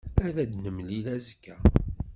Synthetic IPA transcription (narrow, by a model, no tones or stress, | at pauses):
æɾæd̪nəmlilæzəkːæ